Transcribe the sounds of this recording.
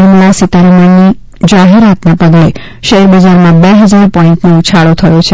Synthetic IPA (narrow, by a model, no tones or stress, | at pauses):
əmlasit̪aɾemanːi | d͡ʒaɦeɾat̪napəɡle | ʃəeɾbəd͡ʒaɾmãbeɦəd͡ʒaɾpɔiɳʈnout͡ʃʰaɭot̪ʰəjot͡ʃʰe